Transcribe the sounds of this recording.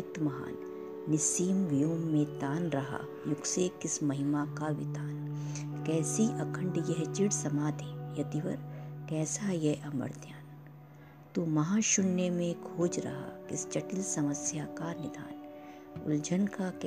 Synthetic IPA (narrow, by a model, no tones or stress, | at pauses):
ɪt̪mɐɦa̰ːnː | ɪsiːmʋɪjoːmːẽt̪aːnɾɐɦa̰ | jʊɡsekɪsmɐɦɪmakaʋɪ̰t̪aːn | kɛːsiʔɐkʰə̃ɳɖjɛɦt͡ʃɪɽsɐmaːd̪ʱẽːjɐd̪iʋɐɾkɛːsajɛʔɐmə̰ɾd̪ʰjaːn | t̪umɐɦãːʃʊnːemẽkʰoːd͡ʒɾɐ̰ɦa̰kɪst͡ʃɐʈɪlsɐməsjakanɪd̪ʱa̰ːn | ʊ̰ld͡ʒʱənkak